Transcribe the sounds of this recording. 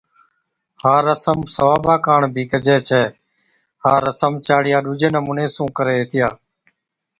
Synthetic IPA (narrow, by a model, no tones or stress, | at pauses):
haːɾəsəmsəʋaːbaːkaːɳbʱiːkəd͡ʒɛːt͡ʃʰɛː | haːɾəsəmt͡ʃaːɽɪjaːɗuːd͡ʒeːnəmuːneːsũːkəɾeːeːt̪ʰɪjaː